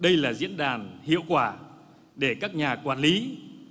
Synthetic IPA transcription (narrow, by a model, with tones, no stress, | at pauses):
ɗə˧jlaː˨˩zḭ˧˥ənɗaː˨˩nhḭ˧˨əwkwaː˧˩ | ɗe˧˩kaː˦˥k̚ɲaː˨˩kwaː˧˩nli˨˦